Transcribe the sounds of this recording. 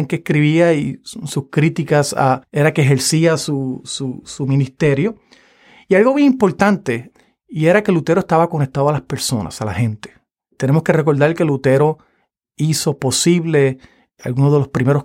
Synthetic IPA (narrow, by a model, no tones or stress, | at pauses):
ŋkeskɾiβiaisuskɾit̪ikasa̰e̞ɾakeːɦe̞ɾsiasususumĩnist̪e̞ɾjo̞ | ialɣo̞mjeŋĩmpo̞ɾt̪ant̪e̞ | ie̞ɾakelut̪e̞ɾoest̪aβako̞nek̚t̪aðoalaspe̞ɾso̞na̰sala̰hẽ̞nt̪e̥ | t̪ene̞moske̞reko̞ɾðaɾlke̞lut̪e̞ɾo̞ | isopo̞siβle̞ | a̰lɣunozðe̞lo̞spɾimeɾo